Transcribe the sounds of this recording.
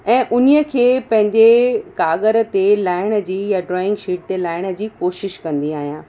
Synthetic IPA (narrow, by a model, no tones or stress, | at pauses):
ɛ̃ːʔʊnijə̆kʰeːpɐ̃ɦɪ̃ɲd͡ʑekaːɠəɾə̆t̪elaːɪɽ̃ə̆d͡ʑiːjaɖɾɔːɪ̃ŋɡʃiːʈ̚t̪elaːɪɽ̃ə̆d͡ʑiːkoːʃɪʃkɐ̃nd̪iaːɦijãː